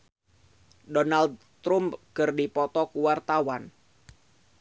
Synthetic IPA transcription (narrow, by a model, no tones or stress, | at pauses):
dɔnald̪̚ | t̪ɾumpkɨrdipɔt̪ɔkuwart̪awan